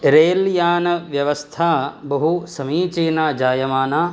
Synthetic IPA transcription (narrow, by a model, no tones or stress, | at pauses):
ɾeːljaːnɐʋjɐʋɐst̪ʰaːbɐɦusɐmiːt͡ʃiːnaːd͡ʒaːjɐmaːnaː